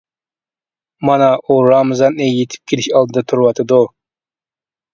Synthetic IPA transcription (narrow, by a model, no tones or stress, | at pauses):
mɑnɑʔuɾɑmzɑnejet̪ʰɪ̥p̚kʲʰeliʃɑlˠd̪ɨd̪ɑt̪ʰuɾwɑt̪ʰɨd̪o